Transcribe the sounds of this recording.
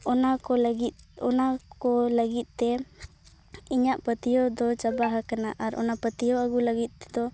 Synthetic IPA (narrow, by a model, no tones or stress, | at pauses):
ɔnakɔlɡit̪̚ɔnakɔləɡit̪̚ˀt̪ɛ | iɲaʔpət̪ijɔd̪ɔt͡ʃabaɦakanaʔaɾʔɔ̰napət̪ijɔaɡuləɡit̪̚t̪ɛ̥d̪ɔ